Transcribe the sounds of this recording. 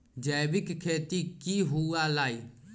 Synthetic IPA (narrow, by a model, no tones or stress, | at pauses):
d͡ʒɛːʋɪkkʰeːt̪iːkiːɦuaːlaːiː